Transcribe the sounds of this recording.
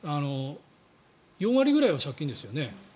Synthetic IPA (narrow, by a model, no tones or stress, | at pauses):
ano̞ | jõɰ̃βaɾʲiɡɯ̟ɾaiβaɕakʲːĩnd̪e̞sɨjo̞ne̞